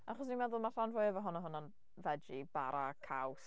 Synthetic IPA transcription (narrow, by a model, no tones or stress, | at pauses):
aχɔs̬nimɛðʊlˠmaɬanvʊjəvɔɦʊnaɦʊnan | vɛd͡ʒib̥aɾakʰaws